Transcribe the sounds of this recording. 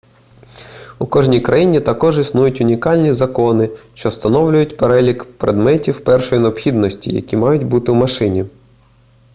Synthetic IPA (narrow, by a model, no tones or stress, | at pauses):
ukɔʒnʲijkɾɐjinʲit̪ɐkɔʒisnujʊtʲʊnʲikɑlʲnʲizɐkɔnɪʃt͡ʃɔwst̪ɐnɔwlʲʊjʊtʲpeɾɛlʲikpɾed̪mɛtʲiwpɛrʃɔjineɔpxʲid̪nɔsʲtʲḭjɐ̰kʲimɑjʊt̚ʲbut̪ɪwmɐʃɪnʲi